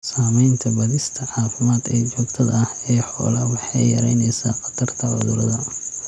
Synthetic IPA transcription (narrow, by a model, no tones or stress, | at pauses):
saːmɛjnt̪ʰɐbɐðɪst̪ʰɐʕɑːfɪmaːd̪ɛːt͡ʃɔːɡt̪ʰɐðɐɐhɛːħɔ̰ːlɐwɑħɑjjɐ̰ɾɛjnɛjsa̰ːqɑ̥d̪ʰɐrt̪ʰɐʕʊ̰ðʊɾɐ̰ðɐ